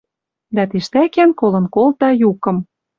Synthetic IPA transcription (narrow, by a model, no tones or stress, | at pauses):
d̪æt̪iʃt̪ækænkolɤ̆nkolt̪ɑjukɤ̆m